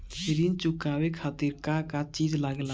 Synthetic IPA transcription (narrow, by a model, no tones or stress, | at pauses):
iɾint͡ʃʊkawekʰat̪iɾkakat͡ʃid͡ʒlaɡla